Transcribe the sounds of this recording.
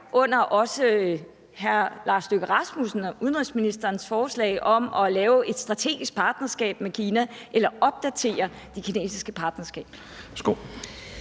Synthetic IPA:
ʔɔ̽n̰ɐʔɒ̽sə | ɦæɐlɑ̈ːsd̥øɡ̥əʁɑ̈smusn̩ɒuðˠən̩ʁisminisd̥ɐːnsfɒːslɛ̰ɪʔɒ̽mɒ̽lɛːʊe̝d̥sd̥ʁɑ̈t͡sʰe̝̰ːɡ̥isɡ̥̚pʰɑ̈ːd̥nɐsɡ̥ɛ̰ːb̥mekʰiːnæʔelɐɒ̽b̥̚d̥æt͡sʰe̝̰ːɐ | d̥e̝kʰine̝̰ːsisɡ̥əpʰɑ̈ːd̥nɐsɡ̥ɛ̰ːb̥ | sɡ̥o

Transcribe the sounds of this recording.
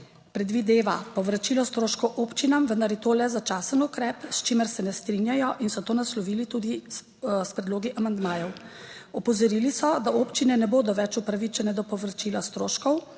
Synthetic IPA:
pɾɛd̪ʋid̪eːʋapɔʋɾat͡ʃiːlɔst̪ɾoːʃkɔwʔopt͡ʃinamʋənd̪aɾjɛt̪oːlɛzat͡ʃaːsənukɾɛːpst͡ʃiməɾsɛnɛst̪ɾinjajɔʔinsɔt̪oːnaslɔʋiːlit̪uːd̪i | spɾɛd̪loːɡiʔamand̪maːjɔwɔpɔzɔɾiːlisɔd̪aoːpt͡ʃinɛnɛboːd̪ɔʋɛt͡ʃupɾaʋit͡ʃɛnɛd̪ɔpɔʋɾat͡ʃiːlast̪ɾoːʃkɔw

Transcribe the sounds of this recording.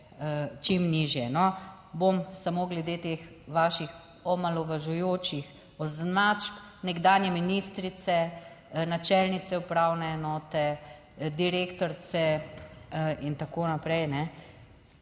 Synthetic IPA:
ət͡ʃimniːʒjɛnɔ | bomsamoːɡlɛd̪eːt̪eːx | ʋaːʃix | ɔmalɔʋaʒujoːt͡ʃix | ɔznat͡ʃt̪nɛɡd̪aːnjɛminist̪ɾit̪sɛ | nat͡ʃɛlnit̪sɛupɾawnɛːnɔːt̪ɛ | d̪iɾeːkt̪ɔɾsɛ | int̪akoːnapɾɛjnɛ

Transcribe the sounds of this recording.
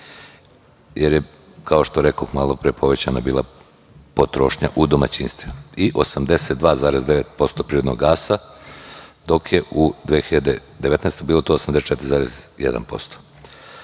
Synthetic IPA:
jeɾje | kʰaoʃt̪oɾekoxmalˠo̞pɾepʰoʋe̞t͡ɕanabiːlˠa̰ | po̞t̪ɾo̞ːʃɲa̰ʔud̪omat͡ɕiːnst̪ʋiiʔo̞samd̪eset̪̚d̪ʋaːzaːɾezd̪eʋet̪̚po̞st̪opɾiːɾd̪no̰ɡaːsa | d̪o̞kjeud̪ʋeːxiʎad̪ed̪eʋe̞t̪naɛest̪obiːlˠot̪oosamd̪eset͡ʃe̞t̪iɾizaːɾezjed̪a̰npo̞̰st̪o̥

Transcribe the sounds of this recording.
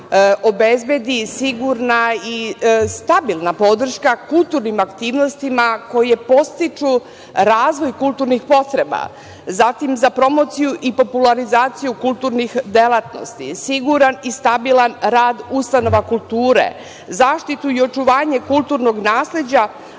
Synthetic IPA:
ʔo̞be̞zbje̞d̪isiɡuɾnaist̪abilˠnapo̞d̪r̩ʃkakulˠt̪uɾnimakt̪iːʋno̞st̪imako̞jepo̞st̪it͡ʃu | ɾaːzʋo̞jkulˠt̪uɾnixpo̞t̪ɾe̞ba̰ | zat̪imzapɾo̞mo̞t̪sijuʔipo̞pulaɾizaːt̪sijukulˠt̪uːɾnixd̪elˠat̪no̞̰st̪ḭsiɡuɾanist̪abilˠanɾaːd̪ust̪ano̞ʋakulˠt̪uːɾḛ | zaːʃt̪it̪uio̞t͡ʃuʋaːɲe̞kulˠt̪uɾno̞ɡnaːsle̞d͡ʑa

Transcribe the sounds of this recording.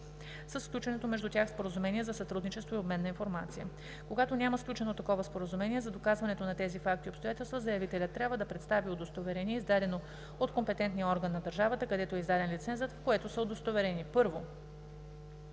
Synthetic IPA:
səsːklʲut͡ʃɛnɛt̪omɛʒd̪ut̪ʲaxspoɾəzumɛniɛzɐsɐt̪ɾud̪nit͡ʃɛst̪voiobmɛnːɐinfoɾmat̪sijə | koɡat̪onʲamɐsklʲut͡ʃɛnot̪ːɐkɔvɐspoɾəzumɛniɛzɐd̪okazvɐnɛt̪onɐt̪ɛzifak̚t̪iopst̪ojat̪ɛlˠst̪vəzɐjɐvit̪ɛlʲət̪ːɾʲjabvəd̪ɐpɾɛt̪st̪aviod̪ost̪ovɛɾɛniɛizd̪ad̪ɛno | ot̪kompɛt̪ɛnt̪nijəɔɾɡənːɐd̪əɾʒavət̪əkɐd̪ɛt̪oɛizd̪ad̪ɛnlit̪sɛnzət̪fkoɛt̪osəod̪ost̪ovɛɾɛnipɤɾvo

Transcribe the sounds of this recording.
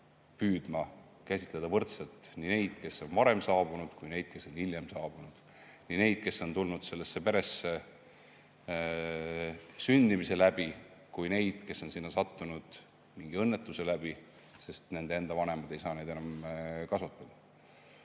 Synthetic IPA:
pyːd̪̥mɑ | kæsʲit̪ˑle̞d̪̥ɑvɤrt̪selt̪ˑnine̞jd̪̥ke̞so̞nvɑɾe̞msɑːb̥unud̪̥kujne̞jd̪̥̚ke̞sːo̞nhiljemsɑːb̥unud̪̥ | nine̞jd̪̥̚ke̞sːo̞nt̪ulnud̪̥se̞lːesːe̞pe̞ɾe̞sːe | synʲd̪̥imise̞læb̥ikujne̞jd̪̥ke̞sːo̞nsinːɑsɑt̪ːunud̪̥ | miŋɡ̥iɤ̞nːe̞t̪ːˑuse̞læb̥i | se̞st̪ne̞nd̪ee̞nd̪̥ɑvɑne̞mɑd̪̥e̞jsɑːnejd̪̥e̞nɑmkɑsut̪ˑːɑd̪̥ɑ

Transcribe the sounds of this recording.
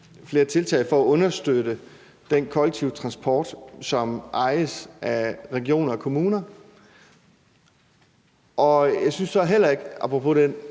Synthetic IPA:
fle̝ːɐt͡sʰe̝lt͡sʰɛ̰ːɪfɒ̽æɔ̽nɐsd̥ød̥ə | d̥enkʰɒ̽leɡ̚t͡sʰiʊt͡sʰʁɑ̈nsb̥ʰɒ̰ːd̥sɒ̽mʔɑ̈ɪəsʔæʁɛɡ̥io̝̰ːnɐɒkʰo̝muːnɐ | ʔɒ̽jɑ̈ɪsynsd̥ɒæɐɦel̰ɐe̝ɡ̥ɑ̈pʰʁopʰɔ̽den

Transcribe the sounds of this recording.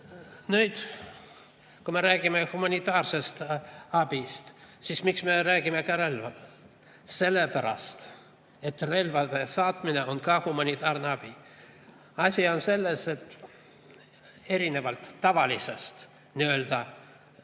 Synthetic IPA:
nyːd̪ | kumeɾæːɡ̥imehumɑnʲit̪ˑɑːrse̞st̪ɑbist̪sismiksme̞ɾæːɡ̥ime̞kɑɾelvɑl | se̞lːepæɾɑ̰st̪ | e̞t̪re̞lvɑd̪̥esɑːt̪mineonkɑːhumɑnʲit̪ɑːrneɑb̥i | ɑsʲio̞nse̞lːese̞t̪ː | e̞ɾine̞vɑlt̪ːɑvɑlisest̪ | niø̞ːld̪ɑ

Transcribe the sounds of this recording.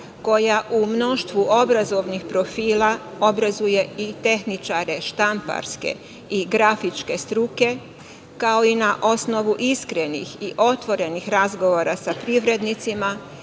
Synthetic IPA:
ko̞jaʔumno̞ʃt̪ʋuʔo̞bɾazo̞ʋnixpɾo̞fiːla | o̞bɾazuje̞it̪e̞xnit͡ʃaɾe̞ʃt̪ampa̰ɾske̞̰ | iɡɾafit͡ʃke̞st̪ɾuke̞ | kao̞inaʔo̞sno̞ʋuʔiskɾe̞nḭxiʔo̞t̪ʋo̞ɾe̞nixɾazɡo̞ʋo̞ɾasapɾiʋɾe̞d̪nit̪sima

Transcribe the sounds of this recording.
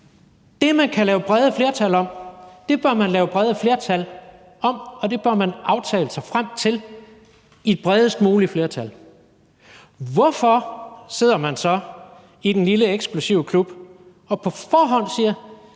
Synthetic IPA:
d̥e̝mænkʰælɛːʊəb̥ʁɛð̞ˠəfle̝ɐt͡sʰælɒ̽m̰d̥e̝b̥ɶɐmænlɛːʊəb̥ʁɛðˠəfle̝ɐt͡sʰæl | ɒ̽mɒ̽d̥e̝b̥ɶɐmænʔɑ̈ʊt͡sʰɛ̰ːləsɑ̈ɪfʁam̰t͡sʰe̝l | id̥̚b̥ʁɛð̞ˠəsd̥̚muːlifle̝ːɐt͡sʰæl | ʋɒfɒse̝ð̞̰ˠɐmænsɒ̽ | id̥enliləeɡ̥sɡ̥lusiʊəkʰlub̥ | ɒ̽pʰɒ̽fɒːɦɒ̽n̰siːɐ

